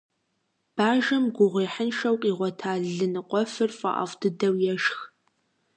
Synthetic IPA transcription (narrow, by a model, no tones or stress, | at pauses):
b̥aːʒɐmɡʷʊʁʷeːħənʃɐwqʼiːʁʷɔtʰaːɮɨnɨqʷʼɔfɨrfʼɐ̰ʔɐ̰vdɨdɐwjɛʃx